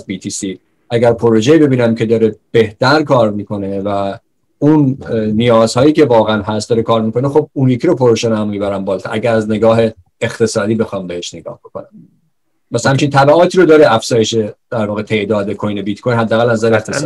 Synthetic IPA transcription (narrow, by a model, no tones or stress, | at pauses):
zbit̪ʰiːsi | ʔæɟæɾpʰo̞ɾo̞ʒebe̞biːnæmcʰe̞d̪ɒːɾeb̥e̞ht̪ʰæɾkʰɒːɾmiːkʰo̞ne̞væ | unːijɒːz̥hɒːjiːcʰe̞vɒːɣeænɦæst̪d̪ɒːɾekʰɒːɾmiko̞nexob̚unjecʰiɾopʰoɾoʃænmːiːbæɾæmbɒːlt̪ʰæ̰ʔæɟæɾæzne̞ɡɒːɦe̞ː | xt̪ʰe̞sɒːd̪iːbe̞xɒːmbeheʃne̞ɡɒ̰ːhb̥e̞kʰo̞̰næm | mæshæmt͡ʃʰint̪ʰæbæʔɒːt̪ʰiːɾod̪ɒːɾeæfz̥ɒːjeʃe̞d̪̥æɾvɒːɣet̪ʰe̞ʔd̪ɒːd̪ekʰo̞jnebit̪kʰojnɦæd̪ːæːɣælnæzæɾeeχt̪ʰes